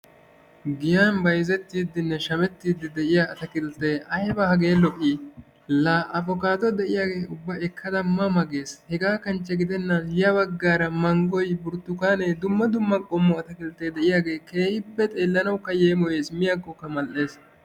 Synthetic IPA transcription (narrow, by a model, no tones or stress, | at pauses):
ɡɪjanbɐjzɛt̪ːiːd̪ːɪnːɛʃɐmɛt̪ːiːd̪ːɪd̪ɛʔɪjaɐt̪ɐkɪlt̪ːeːʔɐhɛbɐhɐɡeːlɔʔʼiː | laːʔɐbɔkaːd̪ɔd̪ɛʔɪjaːɡe̞ːʊbːɐɛkʰːɐd̪ɐmːɐmɐɡe̞ːshɛɡaːkɐnt͡ʃːɐɡɪd̪ɛnːɐnhɪjɐbɐɡːaːɾɐmɐŋɡɔjbʊɾt̪ːʊkaːneːd̪ʊmːɐd̪ʊmːɐkʼɔmːɔɐt̪ɐkɪlt̪eːd̪ɛʔɪjaːɡe̞ːke̞ːhɪpːɛt̪ʼe̞ːlːɐnɐwkːɐjeːmɔje̞ːsmɪjɐɡːɔkːɐmɐlʔːe̞ːs